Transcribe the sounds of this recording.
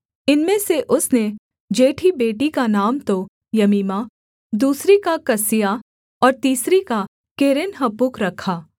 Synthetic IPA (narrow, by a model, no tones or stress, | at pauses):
ɪnmẽseʔʊsne | d͡ʒeːʈʰibeːʈikanaːmt̪o | jɐmiːma | d̪uːsɾikakɐsɪja | ɔːɾt̪iːsɾika | keːɾɪnɦɐpʊkɾɐkʰaː